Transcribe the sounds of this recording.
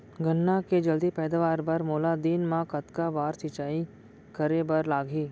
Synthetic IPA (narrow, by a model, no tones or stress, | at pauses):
ɡənːaked͡ʒɐld̪ipɛːd̪aʋaːɾbɐɾmoːlad̪iːnmãkɐt̪kabaːɾsɪt͡ʃaːi | kɐɾebɐɾlaːɡʱiː